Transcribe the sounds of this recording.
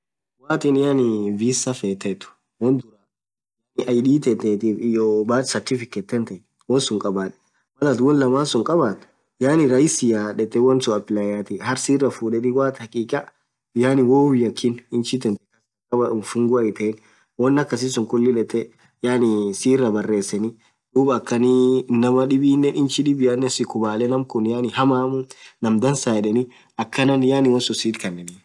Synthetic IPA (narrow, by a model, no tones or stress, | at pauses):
waːt̪ɪnɪjanɪviːsɐfɛt̪ːɛt̪ʊ̥ | wɔnd̪ʊɾa | janɪʔɐjɗiːt̪ɛt̪ːɛt̪ifɪjobaːsɐɾt̪ɪfɪkɛt̪ːɛnt̪ɐj | wɔnsʊŋkʼɐbaːᶑɛ̥ | mɐlɐt̪wɔnlɐmaːnsʊŋkʼɐbaːt̪ʊ̥ | jaːnɪɾɐjɪsɪjaᶑɛt̪ːɛwɔnsʊɐpːɪlajaːt̪ihɐɾsiːrːɐfuːᶑɛt̪ɪwaːt̪hɐkʼiːkʼɐ | ɪjaːnɪwoːwɪjːɐkʰːɪnɪnt͡ʃɪt̪ɛnt̪ɛkɐs | kʼɐbɐʊnfʊŋɡʊɐɪt̪ɛɛn | wɔnːɐkːɐs̬ɪsʊŋkʊlːɪlɛt̪ːɛ | jaːnɪsiːrɐbɐrːe̞ːsɛnɪ | ᶑuːbɐkːɐninɐmɐᶑɪbiːnːɛnʔɪnt͡ʃɪᶑɪbɪjanːɛnsɪkʊbaːlɛnɐmkʊnjaːnɪhɐmaːmʊnɐmd̪ɐnsaːɛᶑɛnɪ | ɐkːɐnɐnjaːnɪwɔnsʊsiːt̪kɐnːɛnɪ